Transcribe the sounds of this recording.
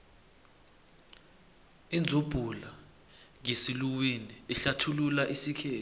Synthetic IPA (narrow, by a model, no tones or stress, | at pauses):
ind͡zʱub̥ʱula | ŋesiluwiniiɬatʰululaʔisikʰɛːt